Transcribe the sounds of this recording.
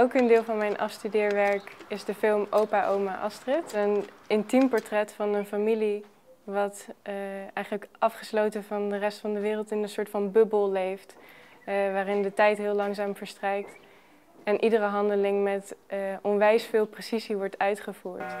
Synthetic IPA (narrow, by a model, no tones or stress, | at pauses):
ɛlˠkəndɪːlˠvɑnmɛjnʔɑ̰fstydɪːɹʋɛɹkɪzdəfɪlˠmowpaʔowmaʔɑstrɪtənɪntimpɔɹtrɛtfɑnənfamili | ʋɑt | ɛjχənləkʔɑfχəslowtənvɑndərɛstfɑndəʋɪːrəlˠtɪnənsʊːɹtfɑnbɵbəlˠlejft | ʋaːrɪndətɛjtɦɪːlˠlɑŋzaːmvəɹstrɛjk̚t | ɛnʔidərəɦɑndəlɪŋmɛtʔɔnʋɛjsfɪːlˠprəsiziʋɔɹtœɥtχəvuːɹt